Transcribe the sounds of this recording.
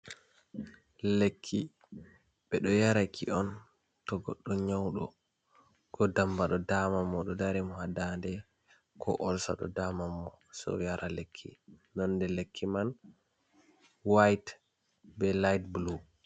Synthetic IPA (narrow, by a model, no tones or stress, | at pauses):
lekʰːi | ɓɛɗɔjaɾakʰḭɔn | tɔɡɔ̰ɗːɔɲawɗɔ | kɔdambaɗɔdamamːɔɗɔdaɾɛmɔhadandɛ | kʰɔ̰ʔɔlsa̰ɗɔ̰damamːɔ | sɔ̰jaɾʔalekʰːḭnɔnːdɛlekʰːiman | wajt | bɛlajtblu